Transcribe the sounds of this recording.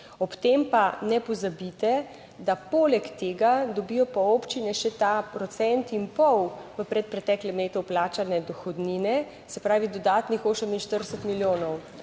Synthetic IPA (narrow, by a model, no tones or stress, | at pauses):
ɔpt̪empanɛpɔzabit̪ɛ | d̪apoːlɛkt̪eːɡad̪ɔbijɔpɔoːpt͡ʃinɛʃɛt̪apɾɔt̪sɛnt̪impɔwʋəpɾɛt̪̚pɾɛt̪ɛːklɛmleːt̪uplaːt͡ʃanɛd̪ɔxɔd̪ninɛ | sɛpɾaːʋid̪ɔd̪aːt̪nixoːsəminʃt̪əɾd̪əsət̪miljoːnɔw